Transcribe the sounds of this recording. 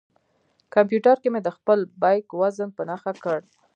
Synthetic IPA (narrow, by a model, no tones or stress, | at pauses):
kampjuʈaɾkemed̪əxpəlbɑjkwazənpənaxakəɽ